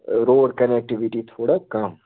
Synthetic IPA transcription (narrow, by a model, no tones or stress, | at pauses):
ɾoːɖkɐnek̚ʈiʋiʈit̪ʰoːɽakɐm